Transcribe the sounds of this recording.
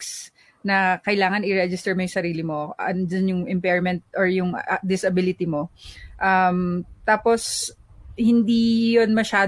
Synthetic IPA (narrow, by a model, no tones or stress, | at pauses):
s | nɐkɐɪlaːŋɐnʔɪɾɛd͡ʒɪst̪ɛɹmɐjʊŋsɐɾiːlɪmo̞d͡ʒɐnjʊŋʔɛmpɛɹmɛnt̪̚ʔɔɹjʊŋd̪ɪsɐbɪlɪt̪ɪmoʔɐmt̪aːpos | hɪnd̪ijonmɐʃaː